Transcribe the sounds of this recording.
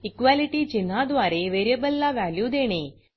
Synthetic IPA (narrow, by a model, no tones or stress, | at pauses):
ikʋaliʈiːd͡ʑin̤ːad̪ʋaɾeʋeɾebəlːaʋæljud̪eɽ̃e